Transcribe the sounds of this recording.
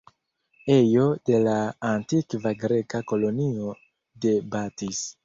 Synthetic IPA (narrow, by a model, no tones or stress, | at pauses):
ejo̞de̞laːntikvaɡɾe̞kako̞lo̞nio̞ | de̞batis